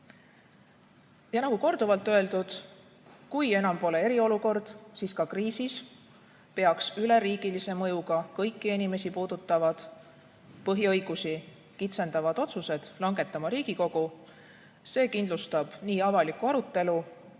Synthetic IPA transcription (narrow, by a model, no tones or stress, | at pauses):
jɑnɑkuko̞rd̪̥uvɑlt̪ːˑøe̞ld̪̥ud̪̥ | kuje̞nɑmpo̞le̞e̞ɾio̞luko̞rd̪̥siːskɑkriːsis | pe̞ɑksyle̞ɾiːɡ̥ilise̞mɤ̞juɡɑkɤjkːienime̞sipuːd̪̥ut̪ːˑɑvɑd̪̥ | pɤɦiɤ̞jɡ̥usi | kit̪se̞nd̪̥ɑvɑd̪̥o̞t̪suse̞d̪̥lɑŋɡe̞t̪ːˑɑmɑɾiːɡ̥iko̞ɡ̥u | se̞ːkind̪lust̪ɑb̥niːɑvɑlikuɑɾut̪ˑːe̞lu